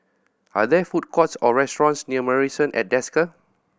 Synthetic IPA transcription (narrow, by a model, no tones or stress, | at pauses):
ʔa̰dɛfut̚kʰɔtsɔɹɛstɔɹɔ̃nsniəməɹisə̃nʔɛ̰t̚dɛskə